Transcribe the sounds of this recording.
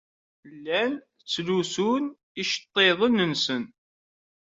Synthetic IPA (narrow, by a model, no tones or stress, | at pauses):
lːæn | t͡sːlusun | iʃə̥t̪ˤːeðˤənənsən